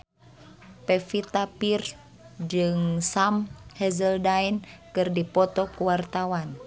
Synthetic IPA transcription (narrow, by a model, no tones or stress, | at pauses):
pɛfit̪apir | d͡ʒɨŋsamhɛzəldainkɨrdipɔt̪ɔkuwart̪awan